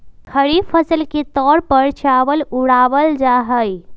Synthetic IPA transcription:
kʰəɽipʰəsəlket̪ɔɾpəɾt͡ʃaʋəluɽaʋəld͡ʒaɦəj

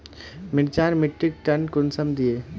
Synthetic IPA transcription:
mɪɽt͡ʃaːɾmɪʈːɪk̚ʈɐɳkʊnsəmd̪ieː

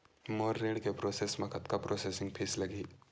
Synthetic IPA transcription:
moːɾːeːɽkepɾoːsesmɐ̃kʰɐt̪kapɾoːseːsɪ̃ŋɡpʰiːslɐɡiː

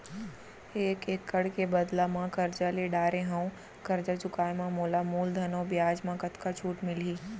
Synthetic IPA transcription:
eːkeːkːɐɽkebɐd̪lamãkɐɾd͡ʒaleɖaːɾeɦaũ | kɐɾd͡ʒat͡ʃʊkaːemãmoːlamuːld̪ʱɐnõːbjaːd͡ʒmãkɐt̪kat͡ʃʰuːʈmɪliː

